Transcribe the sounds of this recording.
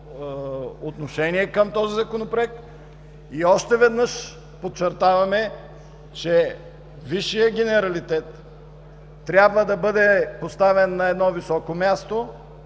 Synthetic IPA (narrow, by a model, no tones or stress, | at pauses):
ot̪noʃɛniɛkəmt̪ɔzizɐkonopɾoɛk̚t̪ | iɔʃt̪ɛvɛd̪nɤʃ | pot͡ʃɛɾt̪avɐmɛ | t͡ʃɛ | viʃːijəɡʲɛnɛɾɐlit̪ɛt̪ | ɾʲjabvəd̪ɐbɤd̪ɛpost̪avɛnːɐɛd̪nɔvisɔkomʲjast̪o